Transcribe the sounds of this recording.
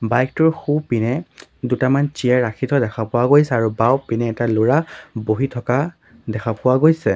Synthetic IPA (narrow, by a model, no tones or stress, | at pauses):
bajk̚tʊɹxupinɛdutamant͡ʃijaɹakʰitʰɔdɛkʰapʊwaɡojsɛaɹubawpinɛːtalʊɹaboɦitʰɔka | dɛkʰapʊwaɡojsɛ